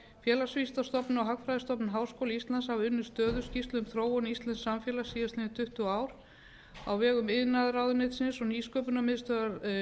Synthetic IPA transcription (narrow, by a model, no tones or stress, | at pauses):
fjɛːlasvist̪ast̪ɔpnʏɔɦakfɾajðɪst̪ɔpnʏɦaːwskowlaist̪lanshavʏnːʏ̥st̪œːðʏ̥scist̪lʏʏmθɾoːwɔnist̪lɛnsːamfjɛːlasiːðast̪ɪnɪt̪ʰʏht̪ʏaːwɾ̥ | a̰wvɛːɣʏmɪðnaðɾaːwðʏnɪt̪sɪnsɔniːskœːpʏnamɪðst̪œːðaɾ